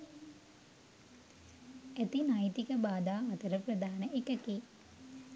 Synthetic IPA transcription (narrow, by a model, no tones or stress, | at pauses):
æt̪inajt̪ikəbaːd̪aːɐt̪əɾəprɐd̪aɦanəʔekəki